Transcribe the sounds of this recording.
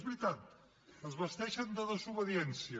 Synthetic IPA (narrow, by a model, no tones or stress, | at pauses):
zβɾit̪at̪̚ | əzβəst̪ɛʃənd̪əðəzuβəðiɛnsiə